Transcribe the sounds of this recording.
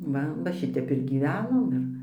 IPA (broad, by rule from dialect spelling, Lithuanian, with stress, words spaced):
ˈʋɐ ʋɐ ˈʃʲɪtʲɛp ɪr ɡʲiːˈʋʲæːnoːm ˈɪr